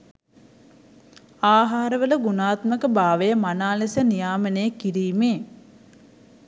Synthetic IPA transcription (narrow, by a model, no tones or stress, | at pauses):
aːɦaːɾəʋələɡunaːt̪məkəbaːʋəjəmanaːlesənijaːmənəjəkiɾiːmeː